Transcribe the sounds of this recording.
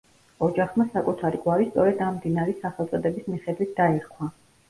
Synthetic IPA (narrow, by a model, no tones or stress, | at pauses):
ɔd͡ʒaχmasakʼut̪ʰaɾikʼwaɾist̪sʼɔɾɛd̪ammd̪inaɾisaχɛlˠt̪sʼɔd̪ɛbismiχɛd̪wit̪̚ʰd̪aɛɾkʰwa